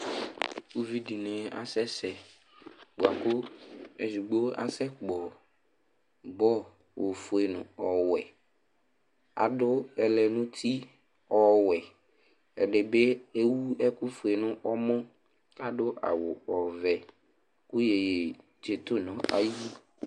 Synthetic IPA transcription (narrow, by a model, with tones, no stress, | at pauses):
u˦vi˦di˨nɛ̃˨a̰˨sɛ˦sɛ˨ | ɡ͡bo˨a˨kʊ˦ɛ˨zu˨ɡ͡bo˦a̰˨sɛ˦k͡pɔ˨ | bɔ˦ | wo˨fo˨e˨nʊ̃˨ɔ˨wɛ˨ | a̰˨dʊ˦ɛ˨lɛ˨nʊ̃˦t̪ʰi˦ | ɔ˨wɛ˨ | ɛ̰˨ɖɪ˨be˦e˦wu˦ɛ˦kʊ˦fe˨nʊ̃˦ʔɔ˦mɔ̃˦ | a˦dʊ˦ʔa̰˨wʊ˨ɔ˨vɛ˨ | kʊ˦je˨je˨ | d͡ʒe˨t̪o˦nɔ̃˨ʔa̰˦ji˦